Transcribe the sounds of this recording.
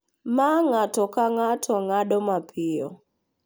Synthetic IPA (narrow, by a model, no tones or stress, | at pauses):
maŋatɔkaŋatʰɔŋaɗɔmapʰɪjɔ̰